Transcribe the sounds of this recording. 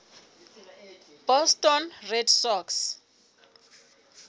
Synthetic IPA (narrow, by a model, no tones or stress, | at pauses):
b̥ɔstɔnrɛdsɔks